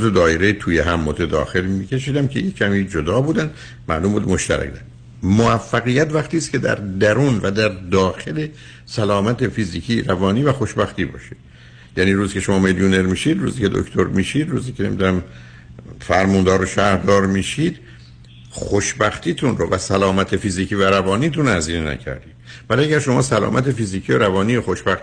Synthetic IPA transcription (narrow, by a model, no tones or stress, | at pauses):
zed̪ɒːeɾet̪ʰuːjeɦæmːot̪ʰed̪ɒ̰ːxe̞limice̞ʃiːd̪æmcʰejecʰæmiːd͡ʒo̞d̪ɒːbuːd̪ænd̪ | mæ̰ʔlumbṵːd̪mo̞ʃt̪æ̰ɾæ̰kd̪æ | moæfːæɣijæt̪væχt̪iːst̪kʰʲe̞d̪æ̰ɾd̪æɾuːnvæd̪æɾd̪ɒːxe̞le | sælɒːmæt̪ʰefiziːcʰiːɾævɒːniːvæxo̞ʃbæxt̪iːbɒ̰ːʃid̪ | jæniːɾuːzikʰʲcʰeʃomɒːmeljone̞ɾmiːʃid̪ɾṵːziːcʰe̞d̪o̰kt̪ʰoɾmiːʃiːd̪ɾṵːziːkʰʲene̞mḭd̪unæm | fæɾmund̪ɒːɾoʃæhɾd̪ɒːɾmiːʃiːd̪̥ | xoʃbæxt̪ʰiːt̪ʰunrovæsælɒːmæt̪ʰefiziːciːvæɾævɒːniːt̪unæziːnenæ̰cʰæ̰ɾd̪iːd̪̥væliæɡæɾʃo̞mɒ̰ːsælɒ̰ːmʔæt̪e̞fiziːcʰioɾævɒːniːjoxo̞ʃbæxt̪